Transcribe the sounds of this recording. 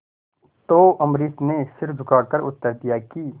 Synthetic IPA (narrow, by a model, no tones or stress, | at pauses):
t̪oːʔɐmɾiːsnesɪɾd͡ʒʊkaːɽkɐɾʊ̰t̪ːəɾd̪ijakiː